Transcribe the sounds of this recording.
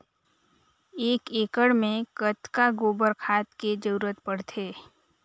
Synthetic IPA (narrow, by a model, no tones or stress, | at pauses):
eːkeːkəɽmẽkət̪kaɡoːbəɾkʰaːt̪ked͡ʒəɾuːɾət̪pəɽt̪ʰeː